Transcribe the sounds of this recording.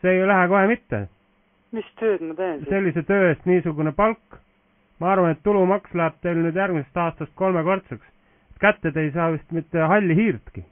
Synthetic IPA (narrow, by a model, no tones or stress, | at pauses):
seːjlæɦeko̞he̞mit̪ːḛ | mist̪øːd̪mɑt̪eːnse̞lʲːise̞t̪øːeːst̪niːsuɡune̞pɑlkː | mɑɑrvɑne̞t̪ːulumɑkslæheb̥̚t̪e̞jlnyːd̪jærɡmise̞st̪ɑːst̪ɑst̪̚ko̞lmeko̞rt̪suks | et̪kæt̪ːe̞d̪e̞jsɑːʋist̪mit̪ːeɦɑlʲːiɦiːrt̪ki